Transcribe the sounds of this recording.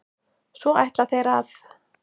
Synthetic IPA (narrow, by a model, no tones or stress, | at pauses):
svɔajht̪laθejɾað